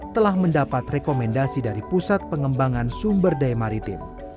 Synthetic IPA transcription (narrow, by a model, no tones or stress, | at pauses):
t̪əlahməndapat̪rekomɛndasidaɾipusat̪̚pəŋəmbaŋansumbərdajmaɾit̪ɪ̰m